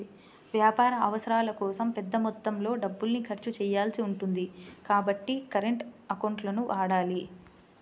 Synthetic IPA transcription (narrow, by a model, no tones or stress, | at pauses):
ʋjaːpaːɾɐɐʋɐsɐɾaːlɐkɔːsɐmpɛd̪ːɐmɔt̪ːɐmlo̞ːɖɐbːulnikʰɐɾt͡ʃut͡ʃɛːjːaːlsiuɳʈund̪ikaːbɐʈːikɐɾeɳʈɐkɐwɳʈlɐnuʋʔaːɽaːli